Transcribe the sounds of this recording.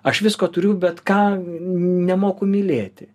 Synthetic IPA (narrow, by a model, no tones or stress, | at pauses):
ɐʃʋʲɪskoːt̪ʊɾʲʊʊbʲɛt̪kɑː | nʲɛmoːkʊmʲɪlʲeːt̪ʲɪ